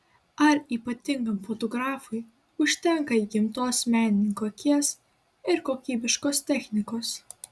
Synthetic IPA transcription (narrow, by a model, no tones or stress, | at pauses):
ɐɾiːpɐt̪ʲɪŋɡɐmfot̪ɔɡɾɑːfʊj | ʊʃʲt̪ʲɛŋkɐiːɡʲɪmt̪oːsmʲæːnʲɪnʲɪŋkoːkʲiɛs | ɪɾkoːkʲiːbʲɪʃkoːst̪ʲɛxʲnʲɪkoːs